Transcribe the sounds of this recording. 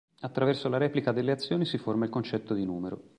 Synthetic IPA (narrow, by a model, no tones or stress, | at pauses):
at̪ːɾavɛrsolaɾɛːplikad̪elːeat̪sːjoːnisiformailkont͡ʃɛt̪ːod̪inuːmeɾo̰